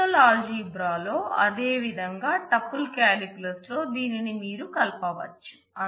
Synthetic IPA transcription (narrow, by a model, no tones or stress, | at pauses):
ɐlaːliːbɾaːlo̞ːʔɐd̪e̞ːʋid̪ʱɐŋɡaːʈɐpːulkaːlikulɐslo̞ːd̪iːninimiːɾukɐlpɐʋɐ̰t͡ʃːu̥ | ɐ